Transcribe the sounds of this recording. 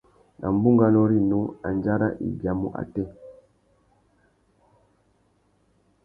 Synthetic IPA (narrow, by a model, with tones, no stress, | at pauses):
nʔa˨m̩˨bu˦ŋɡa˦nɔ˦ɾi˦nu˦a˨n˨d͡ʒa˦ɾa̰˦ʔḭ˨bja˨mu˦ʔa̰˨tɛ˦˨